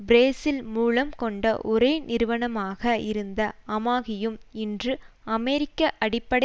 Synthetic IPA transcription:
bɾeːsɪlmuːlɐmkɔɳɖɐ̰ʔɔɾeːnɪɾɯʋɐɳɐmaːɣɐɪɾɯnd̪ɐɐmaːɣɪjɯmɪndrɯɐmɛɾɪkːɐʔɐɽɪpːɐɽ

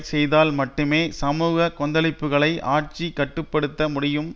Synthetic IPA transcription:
sɛjðaːlmɐʈːɯmeːsɐmuːɣɐkɔnd̪ɐlɪpːɯɣɐɭɐɪʔaːʈt͡ʃikːɐʈːɯpːɐɽɯt̪ːɐmʊɽɪjɯm

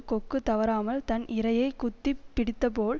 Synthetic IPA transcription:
kɔkːɯt̪ːɐʋɐɾaːmɐlt̪ɐnʔɪɾɐjɐɪkʊt̪ːipːɪɽɪt̪ːɐpoːl

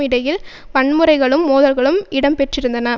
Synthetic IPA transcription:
ɪɽɐjɪl | ʋɐɳmɯɾɐɪɣɐɭɯmːoːðɐlɣɐɭɯmɪɽɐmpɛʈrɪɾɯnd̪ɐnɐ

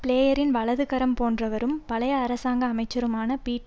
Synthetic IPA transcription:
pɪɭeːjɐɾɪnʋɐɭɐðɯɣɐɾɐmpoːndrɐʋɐɾɯmpɐɭɐjɐːɾɐsaːŋɡɐːmɐɪt͡ʃːɐɾɯmaːnɐpiːʈː

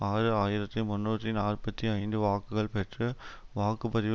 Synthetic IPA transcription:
aːɾɯaːjɪɾɐt̪ːɯmʊnːuːt̪ːinaːrpɐt̪ːiɐɪnd̪ɯʋaːkːɯɣɐɭpɛʈrɯʋaːkːɯpɐðɪʋ

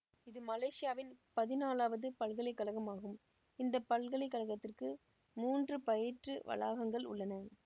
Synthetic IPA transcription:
ɪðɯmɐleːʂɪjaːʋɪnpɐðɪnaːlaːʋɐðɯpɐɭɣɐɭɪkːɐlɐɣɐmaːɣɯm | ɪnd̪ɐpːɐɭɣɐɭɐɪkːɐlɐɣɐt̪ːɪrkɯ | muːndrɯpɐjɪʈrɯʋɐ̰la̰ːɣɐŋɡɐɭʊ̰ɭːɐnɐ

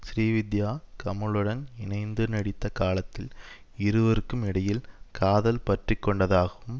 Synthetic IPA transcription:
sɾiːʋɪd̪jaːkɐmɐɭɯɽɐnɪnɐɪnd̪ɯnɐɽɪt̪ːɐkaːlɐt̪ːɪl | ɪɾɯʋɐɾɯkːɯmɪɽɐjɪlkaːðɐlpɐʈrɪkːɔɳɖɐðaːɣɐʋɯm

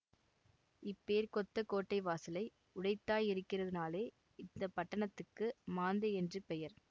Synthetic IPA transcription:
ɪpːeːɾkɔt̪ːɐkoːʈːɐɪʋaːsɪlɐɪ | ʊɽɐɪt̪ːaːjɪɾɯkːɪrɐðɪnaːleː | ɪnd̪ɐpːɐʈːɐɳɐt̪ːɯkːɯmaːnd̪eɛndrɯpɛjɐɾ

